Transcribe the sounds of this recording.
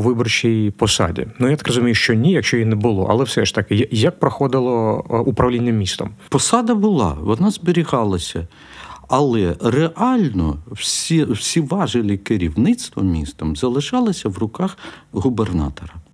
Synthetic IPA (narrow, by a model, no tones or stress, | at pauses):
ʋɪbɔrt͡ʃʲijpɔsɑ̰dʲḭnujat̪ɐ̥krɔzʊmʲijʊʃt͡ʃɔnʲijɐkʃt͡ʃɔjinɛbʊlˠɔ̰ʔɐ̰lˠɛwsɛʃt̪ɐkɪjjɐk̚pɾɔxɔd̪ɪlˠɔupɾɐwlʲinʲːɐmʲist̪ɔ̰mpɔsɑd̪ɐbʊlˠɑ̰ʋɔnɑzbɪɾʲiɣɑlˠɐsʲɐ | ɐlˠɛreʔɑlʲnɔ̰wsʲiwsʲiʋɑʒɪlʲikɪɾʲiwnɪt̪st̪ʋɔ̰mʲḭst̪ɐmzɐlˠɪʃɑlˠɪsʲɐwrʊkɑxɣʊbernɑ̰t̪ɔɾɐ